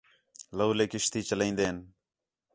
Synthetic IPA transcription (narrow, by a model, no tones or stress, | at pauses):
ləːleːkɪʃt̪iːt͡ʃəlẽĩːnd̪eːn